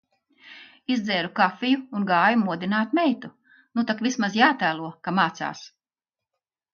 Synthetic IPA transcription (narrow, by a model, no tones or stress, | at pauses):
izd̪zɛːɾukafʲijuːnɡaːjumuɔd̪inaːt̪mɛjt̪u | nut̪akvismazjaːt̪æːlˠuɔkamaːt̪sa̰ːs